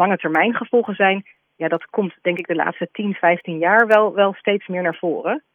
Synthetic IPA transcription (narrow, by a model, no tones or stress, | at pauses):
ɑŋətɛɹmɛjnχəvɔlˠχəzɛjn | jaːdɑtkɔmtd̥ɛŋkɪɡ̚dəla̰ːtstətinvɛjftinjaːɹʋɛlˠʋɛlˠstejtsmɪːɹnaːɹv̥ʊːrə